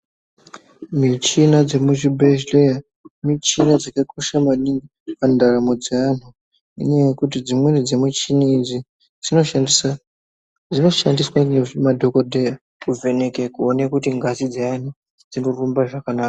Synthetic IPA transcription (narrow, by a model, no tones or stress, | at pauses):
mit͡ʃinad͡ze̞muʐibʱeʒleja | mit͡ʃinad͡zakakʰoʃamaɗiŋɡu | kandaramod͡zean̤u | ḭɲejekut̬id͡zimwenid͡zemut͡ʃiniid͡zi | d͡zino | d͡zino̞ʃandiswamadʱo̞kodʱeja | kuve̞ne̞kekuonekutiŋɡʱasid͡zean̤u | d͡zino̞rumbaʐakanaːka